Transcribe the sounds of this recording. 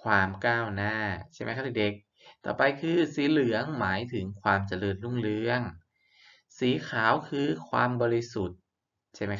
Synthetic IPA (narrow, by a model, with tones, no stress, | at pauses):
kʰwaː˧mkaː˥˩wnaː˥˩t͡ɕʰa˥˩ma˦˥jkʰa˥˩t̪ʰiː˨˩de˨˩k̚ | t̪ɔ̰ː˨˩pa˧jkʰɯː˧siː˩˦lɯ˩˦əŋmaː˩˦jt̪ʰɯ˩˦ŋkʰwaː˧mt͡ɕa˧lɤː˧nlu˥˩ŋlɯ˧əŋ | siː˩˦kʰaː˩˦wkʰɯː˧kʰwaː˧mbɔː˧ɾi˧su˨˩t̪̚ | t͡ɕʰa˥˩ma˦˥j